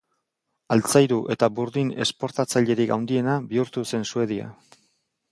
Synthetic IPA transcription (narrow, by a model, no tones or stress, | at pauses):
alt͡sajɾuʔe̞t̪abuɾðine̞̰spo̞ɾt̪at͡saʎe̞ɾikawnd̪ie̞nabiuɾt̪use̞nsue̞ð̞ia̰